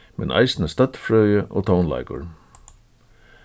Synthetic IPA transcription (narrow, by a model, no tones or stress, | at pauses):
mɛ̰nʔa̰jsnəst̪œt̪fɾœːjəʔɔ̰ːt̪ʰɔwnla̰jkʊ̰ɹ